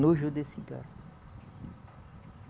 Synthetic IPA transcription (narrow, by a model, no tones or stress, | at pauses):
noʒod̪esiɡa̰ɾ